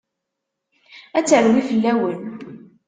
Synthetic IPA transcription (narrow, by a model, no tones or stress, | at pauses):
æt͡sːəɾwifəlːæwən